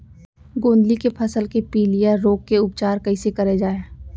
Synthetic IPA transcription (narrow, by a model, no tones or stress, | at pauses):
ɡõːnd̪likepʰɐsəlkepiːlijəːoːkːeʊp̚t͡ʃaːɾkɐɪsekɐɾed͡ʒaːeː